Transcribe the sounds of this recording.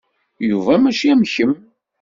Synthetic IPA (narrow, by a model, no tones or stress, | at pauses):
juvˤamæʃæmçəm